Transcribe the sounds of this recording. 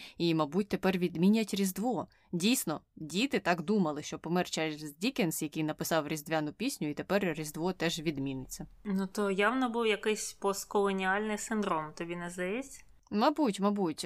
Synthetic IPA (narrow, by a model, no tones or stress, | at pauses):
imɐbut̚ʲt̪epɛrʋʲid̪mʲinʲɐtʲrʲizd̪ʋɔ | dʲijsnɔdʲit̪ɪt̪ɑkd̪umɐlˠɪʃt͡ʃɔpɔmɛrt͡ʃɛzdʲikensjɐkɪjnɐpɪsɑwrʲizd̪ʲʋʲanʊpʲisʲnʲʊit̪epɛrrʲizd̪ʋɔt̪ɛʒʋʲid̪mʲinɪt͡sʲːɐnut̪ɔjawnɔbuwjɐkɪsʲpɔst̪kɔlˠɔnʲialʲnɪjsɪnd̪ɾɔmt̪ɔbʲinɛzd̪ɐjɛt͡sʲ | mɐbutʲmɐbutʲ